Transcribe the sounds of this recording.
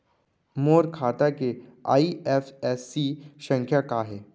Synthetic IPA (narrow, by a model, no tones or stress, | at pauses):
moːɾkʰaːt̪akea̰ːiɛfɛsːiʃə̃ŋkʰjakaɦɛː